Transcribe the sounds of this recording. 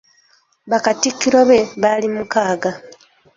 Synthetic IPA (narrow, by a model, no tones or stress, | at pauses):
βakatikːiɾoβe̞βalimukaːɡa